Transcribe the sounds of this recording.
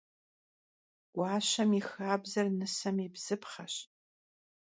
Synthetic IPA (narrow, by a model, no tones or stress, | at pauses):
ɡ̥ʷɑːɕɐmixaːbzɐrnɨsɐmibz̥ɨpχɐɕ